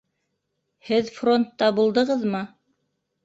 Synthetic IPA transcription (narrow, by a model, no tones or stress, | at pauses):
hɘðfro̞nt̪ːɑbulˠd̪ɤ̆ʁɤðmɤ